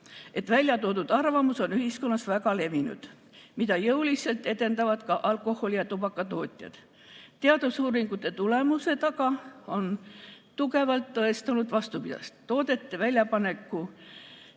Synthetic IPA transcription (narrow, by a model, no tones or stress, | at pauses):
e̞t̪ːˑvælʲjɑt̪o̞ːd̪ud̪̥ɑrvɑmuso̞nyɦisko̞nːɑsvæɡɑle̞vinṵd̪̥ | mid̪ɑjɤwlise̞lt̪ːˑe̞t̪e̞nd̪ɑvɑd̪̥kɑʔɑlkˑo̞ho̞lʲijɑt̪ubɑkːˑɑt̪o̞ːt̪ʲˑjɑ̰d̪̥ | t̪eɑd̪̥usuːɾiŋɡ̥ut̪ˑːe̞t̪ule̞muse̞t̪ɑkɑo̞n | t̪uke̞vɑlt̪ːɤest̪unud̪̥vɑst̪upid̪ɑ̰st̪ːo̞ːd̪e̞t̪ːe̞vælʲjɑpɑne̞kːˑu